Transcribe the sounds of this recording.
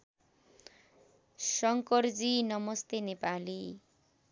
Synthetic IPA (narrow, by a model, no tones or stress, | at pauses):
sʌŋkʌrd͡zinʌmʌst̪enepali